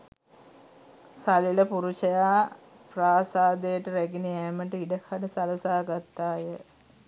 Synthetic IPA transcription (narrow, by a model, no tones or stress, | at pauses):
sɐlilɐpuɾut͡ʃɐjaː | praːsaːd̪eʈːɨɾeɡinieːmɐɳʈiɖɐhɐɽɐsɐlɐsaːɡɐt̪ːaːjə